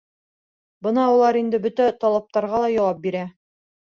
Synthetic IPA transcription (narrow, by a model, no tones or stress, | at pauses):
bɤnɑulˠɑɾind̪ɘbɵt̪æt̪ɒlˠɑp̚t̪ɑɾʁɑlˠɑjɒwɑp̚biɾæ